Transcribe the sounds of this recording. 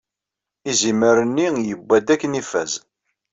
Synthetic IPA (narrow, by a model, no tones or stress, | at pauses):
iziməɾənːijəbːæd̪ækːənifæz